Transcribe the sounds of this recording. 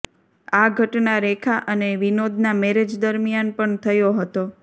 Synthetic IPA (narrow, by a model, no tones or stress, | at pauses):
aɡʱəʈnaɾekʰaʔəneʋinod̪ʱnamɛɾed͡ʒd̪əɾmjanpəɳt̪ʰəjoɦət̪o